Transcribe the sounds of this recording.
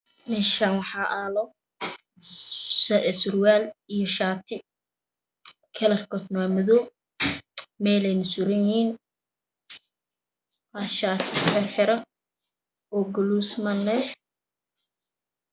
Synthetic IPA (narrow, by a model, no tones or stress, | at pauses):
mɛʃanwɑħɑːʔaːlɔ | ɛsʊrwaːlijɔʃaːt̪ʰɪ | kʰɐlɐrkʰɔt̪naːmʊðɔː | mɛːlɛjnɐsʊɾɐnjɪhiːn | aʃaːt̪ʰɪħɪrħɪɾɐ | ɔɡʊluːsmɐnɛħ